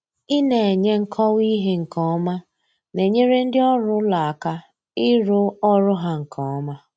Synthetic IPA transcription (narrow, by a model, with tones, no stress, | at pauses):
ɪ˦ne˨e˨ɲe˦ŋ̩˦kʰɔ˦wi˦ɦe˦ŋ̩˨kɔ˦ma˦ | ne˨ɲe˦ɾe˦n̩˦dɪ˦ɔ˦ɾʊ˦la˨a˨ka˦ | ɪ˦ɾʊ˦ɔ˦ɾʊ˦ɦa˦ŋ̩˨kʰɔ˨ɔ˦ma˦